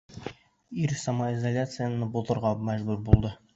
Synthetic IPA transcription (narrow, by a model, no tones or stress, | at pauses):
iɾsamaizalʲat̪sɨjanɤbut̪ɤ̆ɾʁɑmæʑbʉɾbulˠd̪ɤ